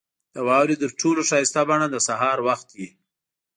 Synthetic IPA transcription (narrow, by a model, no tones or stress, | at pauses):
d̪̥əwɑwɾit̪əɾʈʰoloʃɑjɪst̪abaɳad̪əsaɦɑɾwaxt̪wi